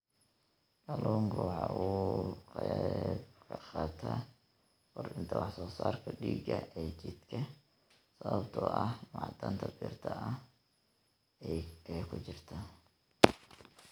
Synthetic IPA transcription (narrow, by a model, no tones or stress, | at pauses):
ɡɐluːŋkʰwɑħɑʔuːqɛbkʰɐqɑːt̪ʰa | wɔrɪnt̪ʰɐwɑħsɔːsaːrkʰɐɖiːɡɐʔɛt͡ʃɪd̪kʰɐ | sɐβɐbt̪ʰɔʔɐhmɑʕd̪ɐnt̪ʰɐbiːrt̪ʰɐʔɐ | ɛjkʰʊt͡ʃɪrt̪ʰɐ